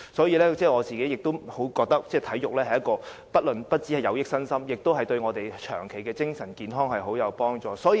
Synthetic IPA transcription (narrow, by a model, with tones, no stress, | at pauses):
sɔː˨˥jiː˨˧lɛː˥t͡sɛː˥˩ŋɔː˨˧t͡siː˨ke˨˥jɪ˨k̚t̪o˥who˨˥wkɔː˧k̚t̪ɐ˥k̚t͡sɛː˥˩t̪ʰɐ˨˥jjʊ˨k̚lɛː˥ɐ˨jɐ˥kːɔː˧pɐ˥t̚lɵ˨npɐ˥t̚t͡si˨˥hɐ˨˩jɐ˨˧wjɪ˥k̚sɐ˥nsɐ˥mjɪ˨k̚t̪o˥wɦɐ˨˩jt̪ɵ˧ɥŋɔː˨˧t̪e˨jt͡ʃʰœː˨˩ŋkʰe˨˩jkɛː˧t͡sɪ˥ŋsɐ˨˩nkiː˨˧nɦɔː˥ŋhɐ˨jɦo˨˥wjɐ˨˧wpɔː˥ŋt͡sɔː˨sɔː˨˥˧